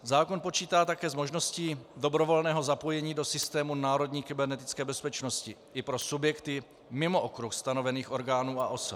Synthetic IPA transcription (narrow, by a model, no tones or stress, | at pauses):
zaːko̞npot͡ʃiːt̪aːt̪akɛːzmo̞ʒno̞sciːdo̞bɾo̞vo̞lnɛːɦo̞zapo̞jɛɲiːdo̞sɪst̪ɛːmunaːɾo̞dɲiːkɪbɛɾnɛt̪ɪ̥t͡skɛːbɛspɛt͡ʃno̞scɪʔɪpɾo̞subjɛkt̪ɪ | mɪmo̞ʔokɾuxst̪ano̞vɛniːxʔo̞ɾɡaːnuːaʔo̞sop